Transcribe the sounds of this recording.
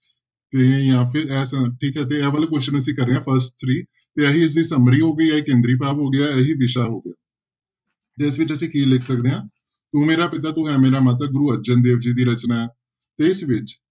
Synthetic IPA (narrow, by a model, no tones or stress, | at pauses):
t̪eːjãːpʰɪɾɛːsʈʰiːkɦɛːt̪̬eːɛːʋəlːkʊʃənəsĩːkəɾːeːãːpʰəɾsʈ̚t̪ʰɾiː | t̪eːəɦiːɪs̬d̪iːsəmɾiːɦoːɡəiːəekẽːnd̪ɾiːpaːpɦoːɡɪjaːɛɦiːʋɪʃaːɦoːɡɪjaː | d͡ʒ̪eɪsʋɪt͡ʃəsĩːkiːlɪkʰsəkd̪eːɦãː | t̪ũːmeːɾaːpɪt̪aːt̪ʊɦɛ̃ːmeːɾaːmət̪̬əɡʊɾuːəɾd͡ʒənd̪eːʋd͡ʒiːd̪iːɾət͡ʃnaːɛː | t̪eɪsʋɪt͡ʃ